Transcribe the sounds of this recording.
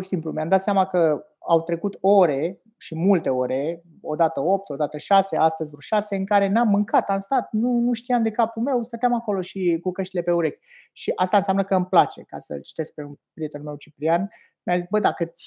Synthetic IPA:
oʃi̥simplumjamd̪at̪sʲamakə | awt̪ɾe̞kut̪o̞ɾe̞ | ʃimult̪e̞oɾe̞ | o̞̰d̪at̪əo̞p̚t̪o̞d̪at̪əʃase̞ast̪əzʲvɾuʃase̞ɨŋkaɾe̞namːɨŋkat̪amst̪at̪̚nunuʃt̪iamd̪e̞kapume̞wst̪ət̪eamako̞lo̞ʃikukəʃt̪ile̞pe̞uɾe̞kʲ | ʃiʔast̪aɨnsʲamnəkəɨmplat͡ʃe̞̰ka̰sə̰lt͡ʃi̥t̪e̞sk̚peunpɾijet̪enume̞wt͡ʃipɾian | mʲjamzis̚bəd̪akəsʲ

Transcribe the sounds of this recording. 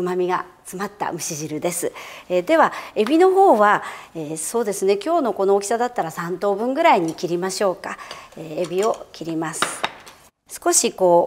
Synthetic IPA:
ɯmamʲiɡat͡sɨmat̪ːa̰mɯ̟ɕiʑiɾɯ̟d̪e̞sɨed̪e̞βae̞bʲino̞ɦo̞ːβaeːso̞ːd̪e̞sɨne̞kʲo̞ːno̞ko̞no̞ːkʲi̥sad̪at̪ːaɾasãnt̪o̞ːbɯ̟̃ŋɡɯ̟ɾaiɲ̟ikʲiɾʲimaɕo̞ːkaeebʲio̞kʲiɾʲimasɨ̥ | sɨ̥ko̞ɕiko̞ː

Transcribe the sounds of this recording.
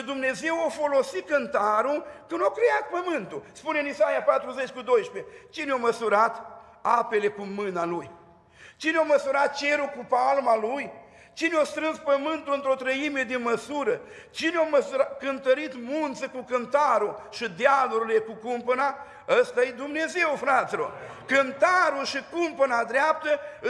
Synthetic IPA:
ʃid̪umne̞ze̞wafo̞lo̞sit̪̚kɨnt̪aɾukɨnakɾeat̪̚pəmɨnt̪uspuneɨnisajapat̪ɾuze̞t͡ʃʲkud̪o̞jʃpet͡ʃineoməsuɾat̪ | ape̞le̞kumɨnaluj | t͡ʃineaməsuɾat̪̚t͡ʃe̞ɾukupalmaluj | t͡ʃineost̪ɾɨnspəmɨnt̪ulɨnt̪ɾo̞t̪ɾəime̞d̪eməsuɾə | t͡ʃineaməsuakɨnt̪əɾit̪munt̪səkukɨnt̪aɾuʃid̪ealuɾile̞kukumpəna | əst̪ajed̪umne̞ze̞wfɾat̪silo̞̰rkɨnt̪aɾuʃikumpənad̪ɾeap̚t̪ə

